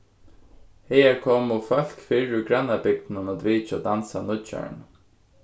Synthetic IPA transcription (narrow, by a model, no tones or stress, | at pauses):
hɛɛɾkʰɔːmʊfœl̥kfiɹʊɡɾanabɪk̚t̪nanat̪viːt͡ʃad̪ansanʊt͡ʃœ̰ɹɳ